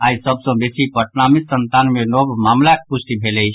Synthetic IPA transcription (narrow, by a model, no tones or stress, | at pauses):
aisəbsə̃besipəʈnamisənt̪anmenɔbmamlak̚pusʈibʱelɛɪt͡ʃʰ